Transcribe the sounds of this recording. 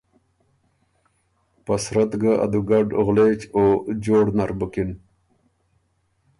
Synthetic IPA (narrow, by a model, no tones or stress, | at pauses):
pasɾat̪ɡaʔa̰d̪uɡaɖɣlet͡ɕod͡ʑoːɽnaɾbukin